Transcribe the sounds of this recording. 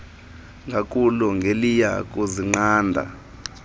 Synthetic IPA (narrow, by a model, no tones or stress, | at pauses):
ŋɡʱakʼuluŋɡʱelija̰kʼuziŋ͡ǀaːndʱa̰